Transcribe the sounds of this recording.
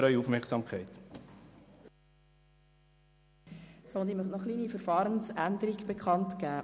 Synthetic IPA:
ɾœʏufmɛksɑːmkʰχæɪt̪ | soːʊnd̪imœχtnɔχliːnifəɾfɑːɾənsænd̪əɾiɡb̥ekʰχɑntkæː

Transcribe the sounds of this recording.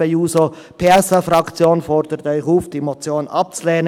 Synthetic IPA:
euːso | pʰeːɛsafrɑkt͡sjoːnfɔɾd̥əɾət̪œʏçuːfd̥iːmot͡sjoːnʔɑp̚t͡sleːnə

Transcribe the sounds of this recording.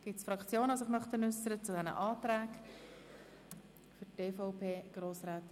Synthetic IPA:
ɡ̥ɪtsfɾɑkt͡sjoːnəʊs̬ɪχmœχt̪ənʏsəɾət͡sudɛnə̰ʔɑːt̪ɾæːk | fʏteːfɔʊpʰeːɡ̥ɾoːsɾaːt̪

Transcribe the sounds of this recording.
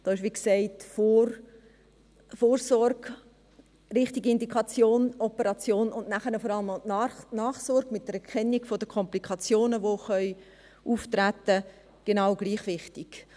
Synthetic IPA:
d̥ɑːɪʃʋiːksɛɪtfor | foːɾsɔɾɡ | rɪχtiɡiɪndikχɑt͡sjoːnɔpəɾɑt͡sjoːnʊndnæχənəfɔɾɑləmɔnɑːχsɔɾɡ̥mɪt̚d̥əɾɛɾkʰɛnːiɡ̥fod̥əkʰɔmplikʰɑt͡sjoːnəʋoχœʏ | uːftrætə | ɡ̥enɑʊɡliːχʋɪχtiɡ̥

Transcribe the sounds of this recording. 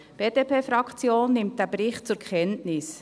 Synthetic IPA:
b̥eːd̥epʰeːfɾɑkt͡sjoːnːɪmt̚d̥æːbɾɪχtt͡sʊɾkχɛntnɪs

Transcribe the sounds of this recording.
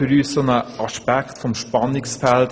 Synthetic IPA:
yɾyːssonəʔɑʃpækχtfɔmʃpɑnɪksfælt

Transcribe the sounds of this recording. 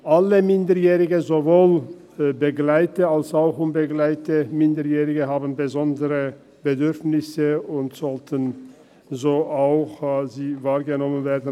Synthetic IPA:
ʔaləmɪndəɐjɛːʁɪɡəzovoːl | bəɡlaɪtəalsaʊxʊnbəɡlaɪtəmɪndəjɛːʁɪɡəɦaːbn̩bəzɔndəʁə | b̥ədʏʁfnɪsəʊntz̥ɔltʰən | zoːʔaʊxziːvaːɐɡənɔmənveːɐdn̩

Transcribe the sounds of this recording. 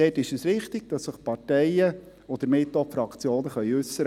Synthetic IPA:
ɛːtɪʃəsɾɪχt̪ɪɡ̥̚d̥ɑsːəχpɑtɛɪə | ɔd̪əɾmɪtːofɾɑkt͡sjoːnəχœʏʉsːəɾ

